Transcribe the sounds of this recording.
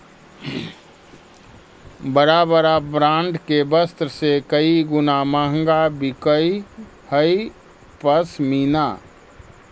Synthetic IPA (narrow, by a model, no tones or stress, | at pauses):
bəɾabəɾabɾãːɳɖkebəst̪ɾəsekəiɡʊnaməɦəŋɡabikəi | həi | pəsmiːna